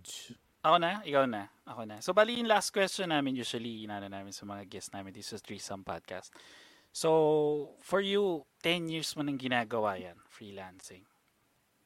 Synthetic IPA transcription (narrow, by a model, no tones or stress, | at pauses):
ʔɐkonɐʔɪkɐwnɐʔɐkonɐsobaːlɪjʊŋlast̪̚kwɛst͡ʃɔnːaːmɪnjuːswɐliʔɪnaːnɐnaːmɪnsɐmɐŋaɡɛsnaːmɛnd̪ɪsd͡ʒɐst̪ɹisɐmpa̰d̪̚ka̰st̪ | so | fɔɹjut̪ɛnjiɹsmɐnɐŋɡɪnaːɡɐwaːjɐnfɹiːlansɪŋ